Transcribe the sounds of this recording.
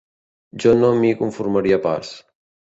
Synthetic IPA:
d͡ʒɔnomikuɱfuɾmɐɾiapa̰ɾs

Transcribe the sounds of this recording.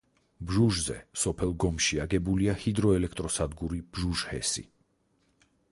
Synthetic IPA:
bʒuʒzɛ̰sɔpʰɛlˠɡɔmʃiaɡɛbuliahid̪ɾɔɛlɛk̚ʰt̪ʼɾɔsad̪ɡuɾib̥ʒuʒhɛ̰sḭ

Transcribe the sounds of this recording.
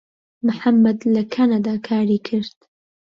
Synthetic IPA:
mʊħamːɐd̪lɐkʰanad̪aːkʰaːɾiːkʰɨɾd̪

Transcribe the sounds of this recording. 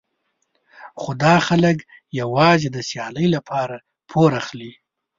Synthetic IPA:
xod̪ɑxalək | jawɑzed̪əsjɑləjlapʰɑɾa | pʰoɾaxli

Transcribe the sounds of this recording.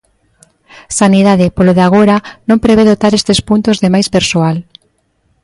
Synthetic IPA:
saniðaðɪpoloðeaɣ̞oɾanõmpɾeβeðot̪aɾest̪espunt̪ozðemajspeɾsoal

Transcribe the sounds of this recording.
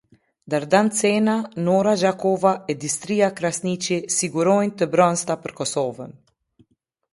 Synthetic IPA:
d̪aɾd̪ant͡senanoɾaʒakovaɛd̪ist̪ɾiːakɾasnit͡ʃisiɡuɾojnt̪əbɾɔnst̪apəɾkɔsovə̰n

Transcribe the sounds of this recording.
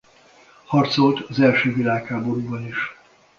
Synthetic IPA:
hɒrt̪so̞lt̪ɒzɛlʃøːvilaːkhaːbo̞ɾubɒniʃ

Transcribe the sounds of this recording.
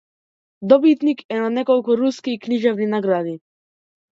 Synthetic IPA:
d̪ɔbit̪nikʰɛnanɛkɔlˠkuɾuskikniʒɛvninaɡɾad̪i

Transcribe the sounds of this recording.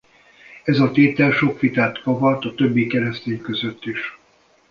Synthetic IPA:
ɛzɒt̪eːt̪ɛlʃo̞kʋit̪aːt̪kɒvɒt̪ɒt̪øbːikɛɾɛst̪eːɲkø̞zøt̪ːiʃ

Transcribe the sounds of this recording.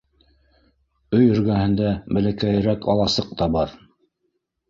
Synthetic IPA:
ɵjɵ̆ɾɡæhɘ̆nd̪æbɘ̆lækæjɘ̆ɾækɑ̰lˠɑsɤq̚t̪ɑbɑɾ

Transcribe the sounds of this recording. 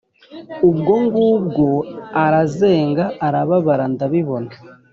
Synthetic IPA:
ubɡo̞ŋɡuːb̚ɡo̞aɾaze̞ːŋɡaːɾaβaβaɾandaβiβo̞na

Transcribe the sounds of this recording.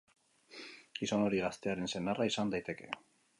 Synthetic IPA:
isono̞ɾiɣast̪e̞aɾe̞nse̞naraisand̪ajt̪e̞ke̞̰

